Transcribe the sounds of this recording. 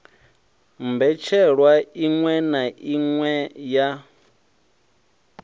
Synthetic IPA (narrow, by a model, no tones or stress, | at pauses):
mbɛt͡ʃʰɛɺwaiŋwɛnaʔiŋwɛja